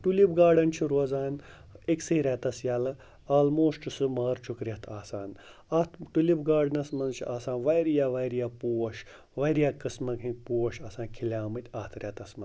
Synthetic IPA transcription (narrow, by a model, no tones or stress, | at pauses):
ʈulibɡaːɖɐnt͡ʃʰiɾozaːn | eksɐɾʲɛt̪ɐsjaːlɐ | aːlmoːsʈɨsɨmaːɾt͡ʃʰukɾiɐt̪ʰaːsaːn | ɐt̪ʰʈulibɡaːɖɐnɐsmɐnzt͡ʃʰiʔaːsãːnʋajɾijaːʋɐːɾijaːpuːʋɐʃ | ʋɐɾijaːkɨsmɐkʰipuːwɐʃɐːsãːnkʲʰilʲaːmɨt̪ʲaːt̪ʰɾʲɛt̪ɐsmɐn